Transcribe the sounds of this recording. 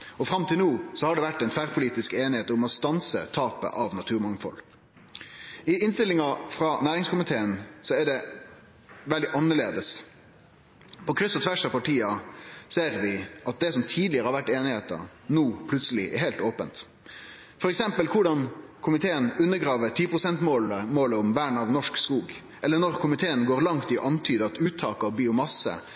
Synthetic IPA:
ɔfʁɑmt̪ʰɪlnuːsɔhɑɖɛʋæʈːɛnt̪fæʁpʰʊliːt̪ɪskeːnɪheːt̪ʊmɔst̪ɑnsə̰t̪ʰɑːpə̰ʔɑʋnɑt̪ʰʉːɾmɑŋfɔ̰l | ɪʔɪnst̪ɪlɪŋɑfɾɑnæːɾɪŋskʰʊmɪt̪ʰeːənsɔɛɖɛ | ʋɛld̪ɪʔɑnːəɭeːd̪əs | pʰɔkʰɾʏsɔt̪ʰʋæʂɑʋpɑʈʰiːɑseːɾʋɪʔɑt̪̚d̪ɛsɔmt̪ʰiːd̪lɪəɾəhɑɾʋæʈːeːnɪheːt̪ə̰ | nuːpʰlʉt̪səlɪʔɛ̰ɾɦeːlt̪oːpənt̪ | fɔɾɛksɛmpəlkʰʊɖɑnkʰʊmɪt̪ʰeːənʉnːəɡɾɑːʋəʈ̪ʰiːpʰɾʊsɛnt̪moːləmoːləʊmʋæːɳɑʋnɔʂkskuːɡ | ʔɛlːəɳɔɾkʰʊmɪt̪ʰeːənɡoːʁɾlɑŋt̪ɪʔɑnt̪ʰyːd̪əɑt̪ʉːt̪ʰːɑːkɑɑʋbiːʊmɑsə̰

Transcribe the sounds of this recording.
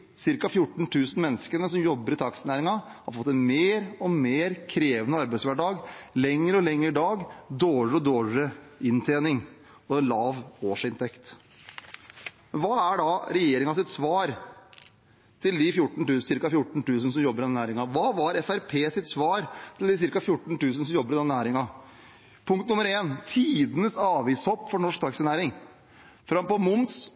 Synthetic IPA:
sɪɾkɑfjʊʈːɳ̩t̪ʰʉːsən̩mɛnːəskənəsɔmjɔbːəɾɪt̪ʰɑksənæːɾɪŋɑhɑ̰ɾfɔt̪ːɛnmeːɾɔmeːɾkʰɾeːʋənəɑɾbæɪtsʋæɖɑːɡlɛŋːəɾɔlɛŋːəɾɖɑːɡd̪oːʂɔd̪oːʂəɪnt̪ʰeːnɪŋ | ɔɛnlɑːʋoːʂɪnt̪ʰɛkt̪ | mɛnʋɑːæɖɑɾɛjeːɾɪŋɑsɪt̪sʋɑːɾ | t̪ʰɪld̪ɪfjʊʈːɳ̩t̪ʉːsɪɾkɑfjʊʈːɳ̩t̪ʉːsənsɔmjɔbːəɾɪd̪ɛnæːɾɪŋɑʋɑːʋɑɾɛfæɾpʰeːsɪt̪sʋɑːɾt̪ʰɪld̪ɪs̬ɪɾkɑfjʊʈːɳ̩t̪ʉːsən̩sɔmjɔbːəɾɪd̪ɛnːnæːɾɪŋɑ | pʰʊŋkt̪nʊmːəɾeːnt̪ʰiːd̪ənəsɑːʋiːshɔpːfɔɳɔʂk̚t̪ɑksənæːɾɪŋ | fɾɑmpɔmʊns

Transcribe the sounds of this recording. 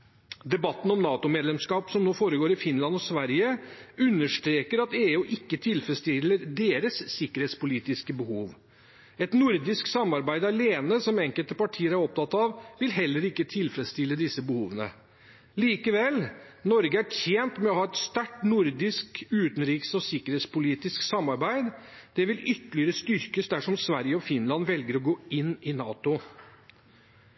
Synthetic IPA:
d̪ɛbɑt̪ːn̩ɔmnɑːt̪ʊmeːd̪lɛmskɑːpsɔmnoːfoːɾəɡoːɾɪfɪnlɑnɔsʋæɾjəʉnːəʂt̪ɾeːkəɾɑt̪eːʉːʔɪkːət̪ʰɪlfɾɛst̪ɪlːəɾd̪eːɾəsːɪkːəɾheːt̪spʊliːt̪ɪskəbəhuːʋ | ɛt̪nʊɾd̪ɪsksɑmːɑɾbæɪd̪ɑleːnəsɔmɛŋkəlt̪əpɑʈʰiːəɾæɾɔp̚t̪ɑt̪ːɑʋʋɪlɦɛlːəɾɪkːət̪ʰɪlfɾɛt̪st̪ɪlːəd̪ɪsːəbəhuːʋənə̰ | liːkəʋɛl | nɔɾɡəæʈʰjeːnt̪mɛɔhɑːɛt̪st̪æʈːnʊɾd̪ɪskʉːt̪ənɾiːksɔsɪkəɾheːt̪spʊliːt̪ɪsksɑmːɑɾbæɪd̪d̪̥ɛʋɪlʏt̪ːəlɪəɾəst̪ʏɾkəsd̪æʂɔmsʋæɾjəɔfɪnlɑnʋɛlɡəɾɔɡoːɪnːɪnɑːt̪ʊ

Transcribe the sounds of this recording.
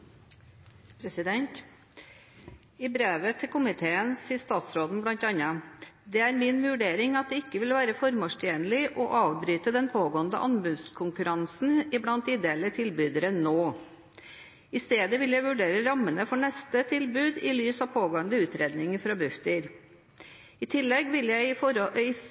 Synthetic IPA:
pʰɾɛsɪd̪ɛnt̪ | ɪbɾeːʋət̪ʰɪlkʊmɪt̪ʰeːənsiːəst̪ɑːt̪sɾoːd̪n̩blɑnt̪ɑnɑd̪ɛæɾmɪnʋʉɖeːɾɪŋɑt̪̚d̪ɛɪkːəʋɪlʋæːɾəfɔɾmɔʂtʰjeːnlɪʔɔʔɑːʋbɾyːt̪əd̪ɛnpʰoːɡoːənd̪ə̰ʔɑnbʉd̪skʰʊŋkʉɾɑnsn̩ɪblɑnt̪̚d̪iːd̪eːlət̪ʰɪlbʉːd̪əɾənoː | ɪst̪eːd̪əʋɪljæɪʋʉɖeːɾəɾɑmːənəfɔɳɛst̪ət̪ʰɪlbʉːd̪ɪlyːsɑːʋpʰoːɡoːənd̪əʉːt̪ɾeːd̪nɪŋəfɾɑbʉft̪əɾ | ɪt̪ʰɪlːɛɡʋɪljæɪɪ

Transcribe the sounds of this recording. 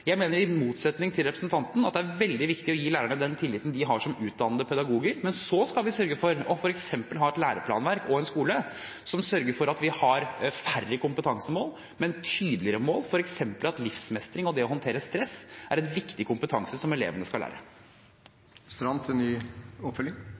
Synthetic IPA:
jæɪmeːnəɾɪmuːt̪sɛt̪nɪŋt̪ʰɪlɾɛpɾəsnt̪ʰɑnt̪n̩ɑt̪̚d̪ɛæɾʋɛld̪ɪʋɪkt̪ɪɔjiːlæːɾæɳəd̪ɛnt̪ʰɪlːɪt̪n̩d̪ɪɦɑʂɔmʉːt̪̚d̪ɑnːəd̪əpʰɛd̪ɑɡuːɡəɾmɛnsɔskɑlʋɪsœɾɡəfɔɾɔfɔɾɛksɛmpəlɦɑːɛt̪læːɾəpʰlɑ̰ːnʋæɾkɔɛnskuːlə | sɔmsœɾɡəɾfɔɾɑt̪ʋɪhɑɾfærːəkʊmpət̪ʰɑŋsəmoːl | mɛnt̪ʰyːd̪lɪɾəmoːlfɔɾɛksɛmpəlɑt̪lɪfsmɛst̪ɾɪŋɔd̪ɛɔɦɔnt̪ʰeːɾəst̪ɾɛsʔæɾɛnʋɪkt̪ɪkʰʊmpət̪ʰɑŋsəsɔmɛlḛːʋənəskɑlæ̰ːɾə̰ | st̪ɾɑnt̪ʰɛnːyːɔpfœljɪ

